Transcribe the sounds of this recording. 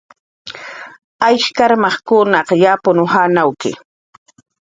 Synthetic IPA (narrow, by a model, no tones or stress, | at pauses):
ajʃkaɾmɑχkʊnɑqjapʊnʊhanawkɪ̰